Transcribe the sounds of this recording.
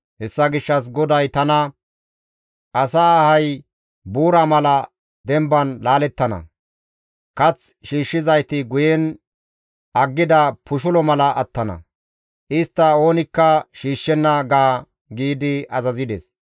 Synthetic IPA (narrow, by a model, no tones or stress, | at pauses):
hɛsːɐɡɪʃːɐs̬ɡɔd̪ɐjt̪ɐnɐ | ʔɐsaːhɐj | buːɾamɐlɐ | d̪ɛmbɐnlaːlɛt̪ːɐnɐ̰ | kɐt͡s | ʃiːʃːɪzɐjt̪ɪɡʊjɛn | ɐɡːɪd̪ɐpʊʃ̬ʊlɔmɐlɐʔɐt̪ːɐnɐ̰ | ʔɪst̪ːɐo̞ːnɪkːɐʃiːʃːɛnːɐɡaː | ɡiːd̪ɪʔɐzɐzɪd̪ɛ̰s